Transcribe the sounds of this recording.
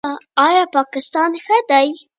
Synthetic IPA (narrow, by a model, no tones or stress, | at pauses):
ɑjɑpɑkɪst̪ɑnxəd̪aj